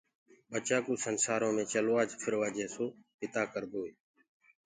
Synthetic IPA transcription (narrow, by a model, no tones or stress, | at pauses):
ɓət͡ʃaːkuːsənsaːɾõːmẽːt͡ʃəloːaːd͡ʒpʰəɾʋaːd͡ʒeːsoːpɪt̪aːkəɾɡ̪oːeː